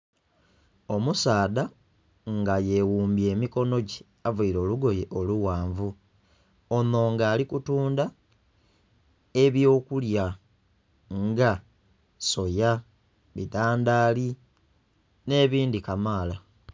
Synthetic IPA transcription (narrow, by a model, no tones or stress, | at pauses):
o̞musaːða | ŋɡaje̞wuːmbje̞ːmiko̞no̞ɟe | avuiɾo̞ːluɡo̞jeʔoluwaːɱvu | ono̞ːŋɡaːlikutuːnda | e̞βjo̞ːkulja | ŋɡa | so̞ja | βidaːndaːli | ne̞ːβiːndikamaːla